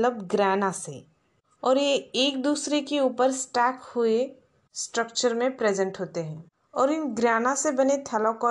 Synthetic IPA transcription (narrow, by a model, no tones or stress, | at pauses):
ləbɡɾɛːnasḛ | ɔːɾjeeːk̚d̪uːsɾekeuːpəɾsʈɛːkhʊe | sʈɾək̚t͡ʃəɾmẽpɾeːd͡ʒə̃ɳʈɦoːt̪eɦɛ̃ː | ɔːɾɪnɡɾaːnasebɐnet̪ʰɛlõko